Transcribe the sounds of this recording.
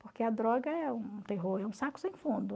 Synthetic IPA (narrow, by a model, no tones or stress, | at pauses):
poɾkeɐd̪ɾɔɡɐɛũt̪eɦoɾɛũsakʊ̥sẽj̃fũnd̪ʊ